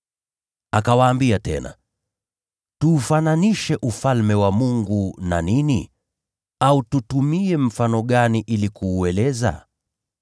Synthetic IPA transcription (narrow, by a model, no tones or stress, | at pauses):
akawaːmbiatɛ̰na̰ | tuːfananiʃɛʔufalmɛwamuŋɡuna̰nini | aututumiɛm̩fanɔɠaniʔilikuːɛlɛza̰